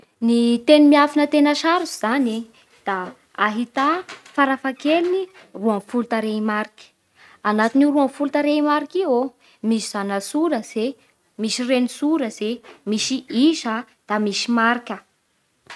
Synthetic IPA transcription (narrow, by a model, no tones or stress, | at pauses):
nit̪enimiafinət̪enəʃaɾuzz̥ane | d̪̥aː | ɦit̪afaɾafakelini | ruanfulut̪aɾeimaɾikʲə̥ | anat̪iniɾuanfult̪aɾeimaɾikio | misiz̥anəsuɾəz̥e | misirenisuɾəz̥emiʃiiʃa | d̪̥amisimaɾikʲə